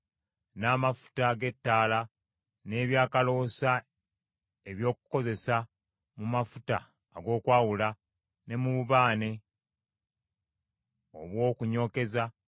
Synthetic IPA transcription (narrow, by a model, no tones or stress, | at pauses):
naːmafu̥taɡe̞tːaːla | ne̞ːβjaːkalo̞sa | e̞βjo̞ːkuko̞ze̞sa | mumafutaː | ɡo̞ːkwaːwula | ne̞muβuβaːne̞ | o̞̰βwo̞ːkuɲo̞ːke̞za